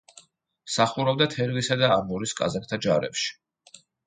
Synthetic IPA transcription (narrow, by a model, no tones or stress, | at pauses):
saχuɾɔbd̪at̪ʰɛɾvisad̪aamuɾiskʼa̰zak̚ʼt̪ʰad͡ʒaɾɛ̰pʃi̥